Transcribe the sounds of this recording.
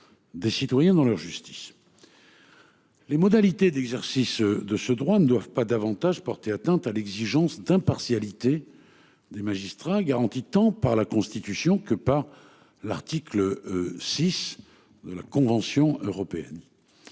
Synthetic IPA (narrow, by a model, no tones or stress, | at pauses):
d̪esit̪wajɛ̃d̪ɑ̃lœʁʒyst̪i̥s | lemɔd̪alit̪ed̪ɛɡzɛʁsisd̪əsəd̪ʁwanəd̪wavpad̪avɑ̃t̪aʒpɔʁt̪eat̪ɛ̃t̪alɛɡziʒɑ̃sd̪ɛ̃paʁsjalit̪e | d̪emaʒist̪χaɡaʁɑ̃t̪it̪ɑ̃paʁlakɔ̃st̪it̪ysjɔ̃kəpaʁ | la̰ʁt̪ikləsis | d̪əla̰kɔ̃vɑ̃sjɔ̃øʁɔpeɛ̰n